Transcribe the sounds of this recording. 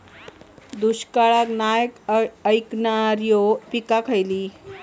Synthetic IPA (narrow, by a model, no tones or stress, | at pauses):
d̪uɕkaɭaknajəkəjknaɾjopikakʰəjli